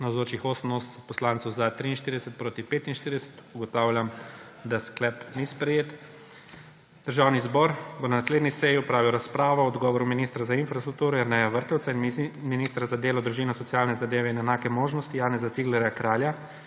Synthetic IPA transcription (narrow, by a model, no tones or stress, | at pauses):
nawzoːt͡ʃixoːsəmnossɛt̪̚pɔslaːnt̪sɛwzat̪ɾiːnʃt̪iɾid̪ɛsɛt̪̚pɾoːt̪ipeːt̪inʃt̪iɾid̪ɛsɛ̥t̪uɡɔt̪awlʲjam | d̪asklɛpnispɾɛjeːt̪ | d̪̥əɾʒaːwnizbɔɾbonanasleːd̪nisɛjiɔpɾaːʋiwɾaspɾaːʋɔɔd̪ɡɔːʋɔɾuminiːst̪ɾazainfɾast̪ɾuk̚t̪uːɾɔjɛɾnɛjaʋəɾt̪ɛwt̪sainminist̪ɾazad̪eːlɔd̪ɾuʒinɔsɔt̪sjaːlnɛzad̪eːʋɛinɛnaːkɛmoːʒnɔst̪ijaːnɛzat̪siɡlɛɾjakɾaːlja